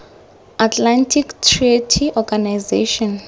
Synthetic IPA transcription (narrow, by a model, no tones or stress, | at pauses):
atʰlantʰiktʰritʰiʔɔɡanajzeʃɔn